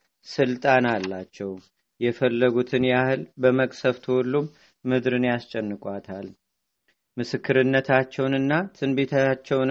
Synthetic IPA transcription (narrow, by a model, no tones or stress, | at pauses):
sɨlt̪ʼanalːat͡ʃːɛw | jɛfəlːəɡut̪ʰɨnjahɨlbəməkʼsəft̪ʰəhɔlːumː | ɨd̪ɾɨnjast͡ʃʼːɛnːɨkʼwat̪ʰal | mɨsɨkːɨɾɨnːət̪ʰat͡ʃːɛwnɨnːat̪ʰɨnbet̪ʰat͡ʃːɛwn